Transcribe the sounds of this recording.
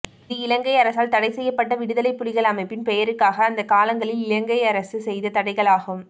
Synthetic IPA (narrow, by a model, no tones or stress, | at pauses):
ðɯɪlɐŋɡɐɪɐɾɐsaːlt̪ɐɽɐɪsɛjːɐpːɐʈ̬ːɐʋɪɽɯðɐlɐɪpːʊɽɪɣɐɭɐmɐɪpːɪnpɛjɐɾɯkːaːɣɐːnd̪ɐkaːlɐŋɡɐɭɪlɪlɐŋɡɐɪɐɾɐsɯsɛjðɐt̪ɐɽɐɪɣɐɭaːɣɯm